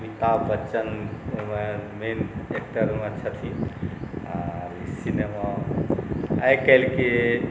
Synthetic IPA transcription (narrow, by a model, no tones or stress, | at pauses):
mit̪abət͡ʃənmemenek̚ʈəɾmet͡ʃʰət̪ʰi | aɾsinema | əjkəjlke